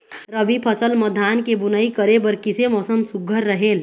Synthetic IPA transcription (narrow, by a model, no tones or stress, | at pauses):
ɾəbipʰəsəlməd̪ʱːankebunəikəɾebəɾkisemɔsəmsuɡʱəɾːəɦel